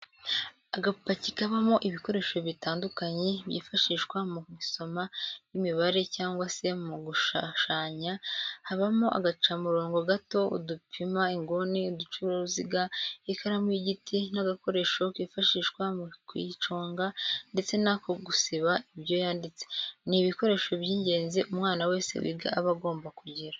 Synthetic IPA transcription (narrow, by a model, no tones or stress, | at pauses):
aɡapacikaβamo̞ʔiβiko̞ɾe̞ːʃo̞βitaːndukaɲe̞βjḭːfaʃiʃwamumiso̞majimiβaɾe̞caːŋɡwase̞muɡuʃaʃaːɲahaβamoʔa̰ɡat͡ʃamuɾo̞ːŋɡo̞ɡato̞ṵdupʰimaiŋɡoniudut͡ʃuɾouziɡaikʰaɾamwiɟitinaɡako̞ɾe̞ʃo̞kifaʃiːʃkwamukwit͡ʃoːŋɡande̞t͡se̞nakoɡusiβaibjo̞jaːndit͡se̥niβiko̞ɾe̞ːʃobjiːɲɟe̞ːnziʔumŋaːnawe̞ːsḛwḭɡa̰ːβaɡo̞ːmbakuɟiɾa